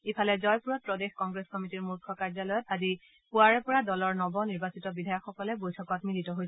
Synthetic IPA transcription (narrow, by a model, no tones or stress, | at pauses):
epʰalɛzɔjpuɹɔt̚pɹɔdexkɔŋɡɹeskɔmitiɹmuɹkʰɔkaɹzɔlɔjɔt̚adi | puaɹɛpɔɹadɔlɔɹnɔbɔniɹbasitɔbidʱajɔkxɔkɔlɛbojtʰɔkɔtmilitɔɦojɛ